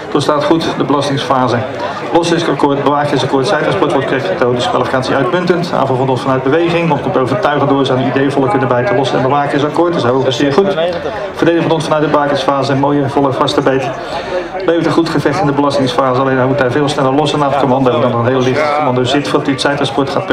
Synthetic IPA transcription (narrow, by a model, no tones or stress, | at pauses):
tostaːtχutdəbəlɑstɪŋsfaːzə | lɔsɪskakʊːɹtbəʋaːkjɪsɑkʊːɹtsɛjtɑnspɔɹtʋɔɹtkrɛtχətowdəskʋa̰ːlifikaːtsiœɥtmʏntənta̰ːvənvɔndɔnsfɑnœɥd̚bəʋejχɪŋʋɑnt̚kɔmtəowvərtœɥχədʊːzaːnəidejəvɔlˠəkʏnəbɛjtəlɔsənɛ̰nbəʋaːkəsakʊːɹtəsɛokəsɪːɹχut | fərdejləŋvndɔnsfɑnœɥtdəbəʋaːkəsfaːzəmoːjəvɔlˠəvɑstəbejt | lejvətəχutχəvɛχtɪndəbəlɑstɪŋsfaːzəɑlejnamutɛveːlˠsnɛlˠəɹlɔsənaːfkomɑndoːədɔnɔənɦeːllɪχtkomɑndozɪtfodɑtyətsɛjtɑnspɔɹtχaːt̚p